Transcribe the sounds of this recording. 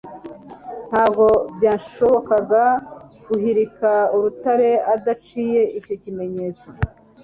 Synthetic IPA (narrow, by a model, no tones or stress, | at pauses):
n̥haːb̚ɡo̞bjaːʃo̞βo̞kaɡa | ɡ̥uɦiɾikauɾutaɾe̞adat͡ʃiːje̞ʔico̞cime̞ɲe̞ːt͡so̥